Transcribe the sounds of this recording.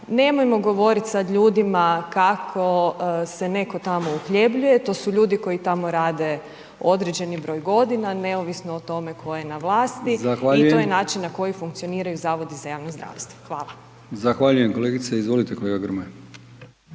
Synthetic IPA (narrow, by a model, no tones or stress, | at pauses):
ne̞mojmo̞ɡo̞ʋo̞ɾit̪sad̪ʎuːd̪imakakʰo̞se̞ne̞ko̞t̪amo̞uxʎe̞bʎuje̞t̪o̞suʎuːd̪iko̞jit̪amo̞ɾaːd̪e̞ | o̞d̪ɾed͡ʑe̞nibɾo̞ːjɡo̞d̪inane̞oʋisnoːt̪o̞me̞kʰo̞je̞naʋlˠaːst̪izaxʋaʎituj̪ojenaːt͡ʃinːako̞jifuŋk̚t̪sio̞niːɾajuzaːʋo̞d̪izajaːʋnozd̪ɾa̰ːʋst̪ʋo̥xʋaːlˠa | zaxʋaʎujemko̞leːɡit̪seizʋo̞lit̪eko̞lˠeɡaɡɾme